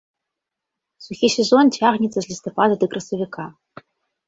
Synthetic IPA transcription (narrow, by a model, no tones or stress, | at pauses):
suxʲisʲɛzontʲʰaʁnʲit͡sʼɐzʲlʲist̪opad̪ad̪ɨkrɐsɐvʲikʰa